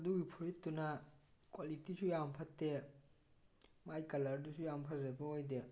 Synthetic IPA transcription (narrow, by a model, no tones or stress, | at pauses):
ɐduɡipʰuɾitːunɐkwalitisujampʰɐtːe | majkɐlɐɾdusujampʰɐɾzebɐojde